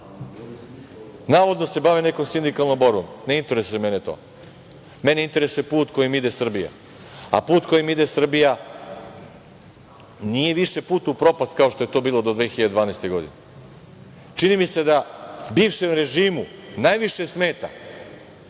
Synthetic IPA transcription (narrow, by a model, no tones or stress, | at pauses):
naːʋod̪no̞se̞baʋine̞ko̞msind̪ikalˠno̞mbo̞ɾbomne̞int̪eɾe̞suje̞me̞net̪o̞̰ː | meneint̪e̞ɾesuje̞puːt̪ko̞jimid̪e̞sr̩bija̰ | a̰puːt̪ko̞jimid̪esr̩bija | nije̞ʋiʃe̞puːt̪upɾo̞past̪̚kao̞ʃt̪oe̞t̪o̞ːbiːlˠod̪od̪ʋexiʎad̪ed̪ʋaːnajst̪e̞ɡo̞d̪ḭne | t͡ʃinimise̞d̪abiːʋʃemɾe̞ʒiːmunajʋiʃesme̞ːt̪a̰